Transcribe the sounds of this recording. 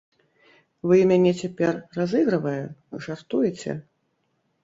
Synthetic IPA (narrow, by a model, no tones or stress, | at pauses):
vɨmʲanʲɛt͡sʲapʲɛrːazɨɣɾɨvɐjɛʐart̪ujɛt͡sʲɛ̰